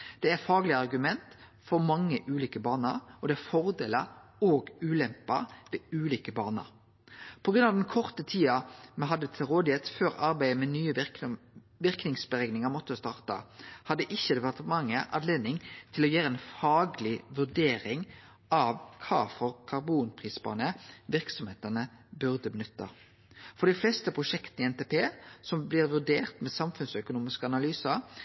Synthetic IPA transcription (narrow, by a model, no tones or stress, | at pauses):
d̪̥ɛæɾfɑːɡlɪəɑɾɡʉmɛnt̪ | fɔɾmɑŋːəʔʉːliːkəbɑːnə̰ɾɔd̪ɛæfɔɾd̪eːləoːɡʉːlɛmpɑ̰ʋɛʉːliːkəbɑːnə̰ɾ | pʰɔɡɾʁʉnɑʋd̪ɛnkʰɔʁt̪ət̪ʰiːɑmɛɦɑd̪ːət̪ʰɪlɾoːd̪ɪheːt̪føːɾɑɾbæɪəmɛnyːəʋ | ʋɪʁknɪŋsbəʁɛɡnɪŋəɾmɔt̪ːəst̪ɑːʁt̪ɑ̰hɑd̪ːəʔɪçːəd̪ɛʋæʁt̪mɑŋːəʔɑd̪leːd̪nɪŋt̪ʰɪlɔjæːɾəɛnfɑːɡlɪʋʉʁɖeːɾɪŋ | ɑʋkʰɑ̰ːfɔʁkʰɑʁbuːnpʰʁiːsbɑ̰ːnəʋɪʁksɔmheːt̪ənəbʉʁd̪əbənʉt̪ːə̰ | fɔʁɖ̪ɪflɛst̪əpʰʁʊʂɛkt̪nɪɛnt̪eːpʰeːsɔmblɪʁʋʉɖeːʁt̪mɛsɑmfʉnsœkʊnuːmɪskəɑnɑlyːsəɾ